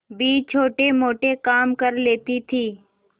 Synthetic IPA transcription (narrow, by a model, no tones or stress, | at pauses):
biːt͡ʃʰoːʈemoːʈekaːmkəɾleːt̪it̪ʰiː